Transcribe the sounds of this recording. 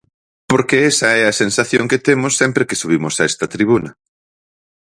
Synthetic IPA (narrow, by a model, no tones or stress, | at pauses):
poɾkeesɐɛɐsensaθjoŋket̪emʊsːɛmpɾekesuβ̞imosaɛst̪ɐt̪ɾiβ̞unɐ